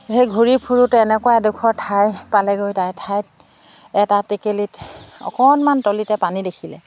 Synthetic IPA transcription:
xejɡʱuɹipʰuɹutɛnɛkɔwadukʰɔɹtʰajpalɛɡojtajtʰajt̚ | ɛtatikelitɔ̰kɔnmantolitɛpanidekʰilɛ̰

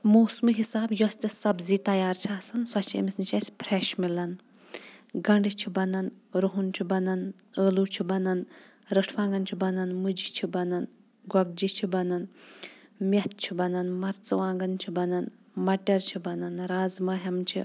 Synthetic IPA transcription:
moːsmɨɦisaːbjost̪ʲɐsɐbziːt̪ɐjaːɾt͡ʃʰiaːsɐnsɔt͡ʃʰiḛmisnit͡ʃʰɐsʲpʰɾeʃmilɐn | ɡɐɳɖit͡ʃʰibɐnɐnɾuɦunt͡ʃʰibɐnɐnəːluːt͡ʃʰibɐnɐn | ɾɐʈʰʋãːŋɡɐnt͡ʃʰibɐnɐnmɨd͡ʒit͡ʃʰibɐnɐn | ɡɐɡ̚d͡ʒit͡ʃʰibɐnɐn | mʲɐt̪̚t͡ʃʰibɐnɐnmɐɾt͡sɐʋãːŋɡɐnt͡ʃʰibɐnɐn | mɐʈɐɾt͡ʃʰibɐnɐnɾaːzmɐːɦɐmt͡ʃʰḭ

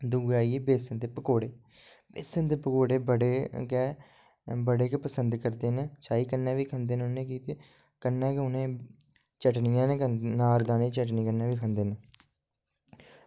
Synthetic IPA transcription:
d̪uːɡaːieːbeːsənd̪eːpəkoːɽeː | beːsənd̪eːpəkoːɽeːbəɽeːkɛː | bəɽeːkɛːpəsənd̪kəɾd̪eːnːt͡ʃaːiːkənːɛ̃ːʋiːkʰənd̪eːnʊnẽːkiːt̪eː | kənːɛ̃ːkʊnẽː | t͡ʃəʈnɪjãːnekənaːɾd̪aːnẽːt͡ʃəʈ̬niːkənːɛ̃ːʋiːkʰənd̪eːnə

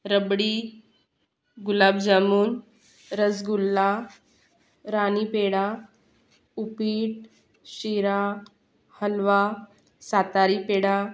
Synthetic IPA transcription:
ɾəbɽi | ɡulabd͡ʑamuːn | ɾəd͡zɡulːa | ɾanipeɽa | upiːʈ̚ | ɕiɾa | həlʋa | sat̪aɾiːpeɽa

